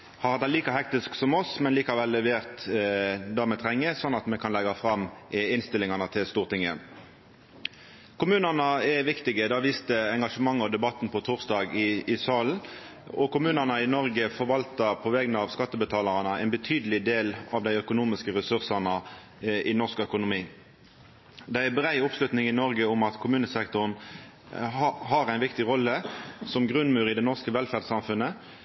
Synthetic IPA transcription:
hɑʁhɑt̪æliːkɑɦɛk̚t̪ɪsksɔmɔsmɛnliːkɑʋɛlːɛʋeːʁt̪ | d̪ɑːmɛt̪ʰʁɛŋːəsɔnːɑt̪mɛkʰɑnlɛɡɑfʁɑmɪnst̪ɪlːɪŋɑnət̪ʰɪlst̪uːʁt̪ɪŋːə | kʰʊmʉːnəʁnɑɛʋɪkt̪ɪɡəd̪ɑːʋiːst̪əɛŋɡɑʂəmɑŋːɔd̪ɛbɑt̪ːnpʰɔt̪ʰuːʁsd̪ɑːɡɪɪsɑːln̩ | ɔkʊmʉːnənəɪnɔʁɡəfɔʁʋɑlt̪əpʰɔʋɛɡnəɑʋskɑt̪ːəbət̪ʰɑːlɑʁənəæɪnbət̪ʰyːd̪əlɪd̪eːlɑʋd̪æɪœkʊnuːmɪskəʁɛsʉʁsɑnə | ɪnɔʁskœkʊnʊmiː | d̪ææbɾæɪʊpslʉt̪nɪŋɪnɔʁɡəʊmɑt̪kʰʊmʉːnəsɛkt̪ɔʁən | ɦɑɾæɪnʋɪkt̪ɪʁɔlːəsɔmɡʁʉnːmʉːɾɪd̪ɛnɔʁskəʋɛlfæʁd̪sɑmfʉnːə

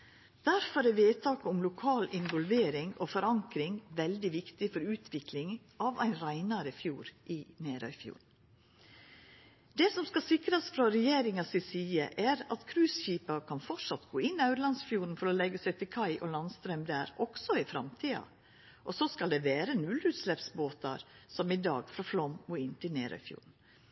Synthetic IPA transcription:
d̪̥æɾfɔɾɛʋeːt̪ʰɑːkəʊmlʊkʰɑːlɪnʋɔlʋeːɾɪŋɔfɔɾɑŋkɾɪŋʋɛld̪ɪʋɪkt̪ɪfɔɾʉːt̪ʰʋɪklɪŋ | ʔɑʋæɪnɾæɪnɑɾəfjuːɾʔɪneːɾœʏfjṵːɾn̩ | d̪ɛsɔmskɑsɪkɾɑsfɾɑɾɛjeːɾɪŋɑsɪsiːəʔæɾɑt̪kʰɾʉːsçiːpɑkʰɑnfɔʈʂɑt̪ɡoːɪnːɑʉɾlɑnsfjuːɾn̩fɔɾɔlɛɡːəsæɪt̪ʰɪlkʰɑɪʔɔlɑnst̪ɾɛmd̪æːɾɔksɔɪfɾɑ̰mt̪ʰiːɑ̰ | ʔɔsɔskɑld̪ɛːʋeːɾənʉlʉːt̪slɛpsboːt̪ɑ̰ɾsɔmɪd̪ɑ̰ːɡfɾɑflɔmuɪnt̪ʰɪlnḛːɾœ̰ʏfjṵːn̩

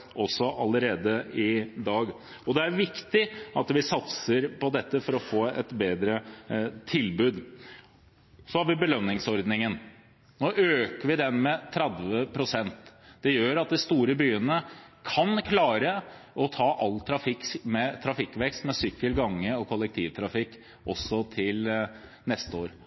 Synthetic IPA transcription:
ɔsɔʔɑləɾeːd̪əɪd̪ɑːɡ | ɔd̪ɛæɾʋɪkt̪ɪʔɑt̪ʋɪsɑt̪səɾpɔd̪ɛt̪ːəfɔɾɔfoːɛt̪beːd̪ɾət̪ʰɪlbʉːd̪ | sɔhɑɾʋɪbəlœnːɪŋsɔɾd̪nɪŋən | noːʔøːkəɾʋɪd̪ɛnmɛt̪ʰɾɛd̪ʋəpʰɾʊsɛnt̪d̪̥ɛjøːɾɑt̪̚d̪ɛst̪uːɾəbyːənəkʰɑnkʰlɑːɾəʔɔt̪ʰɑːʔɑlːt̪ʰɾɑfɪkmɛt̪ʰɾɑfɪkːʋɛkst̪mɛsʏkːəlɡɑŋːəɔkʰɔlːəkt̪ʰiːʋt̪ʰɾɑfɪkː | ʔɔsːɔt̪ʰɪl | nɛst̪əoːɾ

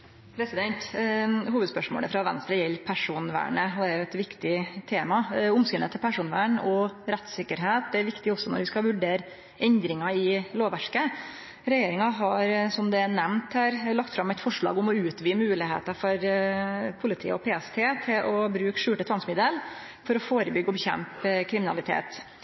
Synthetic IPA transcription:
pʰɾɛsɪd̪ɛnt̪huːʋəd̪spœʂmo̰ːlə̰fɾɑʋɛnst̪ɾəjɛlːpʰæʂuːnʋæ̰ːɳəɔd̪ɛæɾjʊɛt̪ʋɪkt̪ɪt̪ʰeːmɑʊmskʏlə̰t̪ʰːɛlpʰæʂuːnʋæ̰ːɳɔɾɛt̪sɪkːəɾɦeːt̪̚d̪ɛæɾʋɪkt̪ɪɔsːɔnɔ̰ɾʋɪskɑʋʉɖeːɾ | ɛnd̪ɾɪŋɑɪloːʋæʂkə | ɾɛjeːɾɪŋɑɦɑɾsɔmd̪ɛænɛmnt̪hæːɾlɑk̚t̪fɾɑmɛɪt̪fɔʂɭɑ̰ːɡʊmɔʉːt̪ʋiːmʉːlɪhḛːt̪ɑfɔɾ | pʰʊlɪt̪ʰḭːə̰ɔpʰeːɛst̪ʰeːt̪ʰɪlʔɔbɾʉːkʂʉːʈət̪ʰʋɑŋsmɪd̪əl | fɔɾɔfoːɾəbʏɡːɔbɛçɛ̰mpkʰɾɪmɪnɑ̰lɪt̪ʰḛːt̪

